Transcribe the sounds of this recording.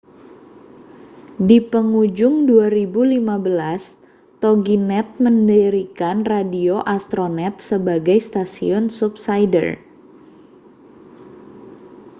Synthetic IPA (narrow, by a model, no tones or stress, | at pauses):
dipəŋud͡ʒʊŋduaɾibulimabəlas | t̪oɡinɛt̪̚məndəɾikanradioʔast̪ɾonɛt̪̚səbaɡajst̪asiɔnsup̚sajdə̰r